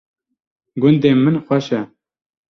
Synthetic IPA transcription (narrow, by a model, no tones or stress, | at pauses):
ɡʊnd̪eːmɨnxʷɛʃɛ